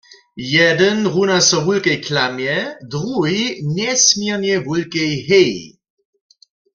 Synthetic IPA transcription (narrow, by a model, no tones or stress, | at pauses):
jɛd̪ənʁunasɔɦulkɛjkʰlamjɛd̪ʁuɦiɲɛsmjɛʁnɛvulkɛjɦɛj